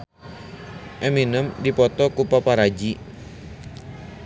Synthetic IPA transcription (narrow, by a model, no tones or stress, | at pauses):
ʔɛminəmdipɔt̪ɔkupapaɾad͡ʒi